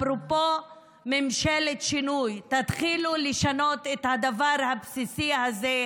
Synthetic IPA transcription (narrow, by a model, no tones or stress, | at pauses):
pɾopo | memʃelet̪ʃinujt̪at̪χiluleʃano̞t̪et̪had̪avaɾhapsisihaze